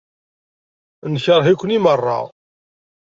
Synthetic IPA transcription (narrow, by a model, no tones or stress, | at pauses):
nçəɾˤɦikʷːənimərˤːɑ̰